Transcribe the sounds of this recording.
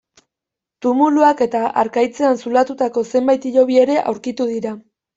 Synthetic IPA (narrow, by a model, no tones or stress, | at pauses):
t̪umuluake̞t̪aʔa̰ɾkajt͡se̞ansulat̪ut̪ako̞se̞mbajt̪iʎo̞β̞ie̞ɾe̞ʔa̰wɾkit̪uð̞iɾa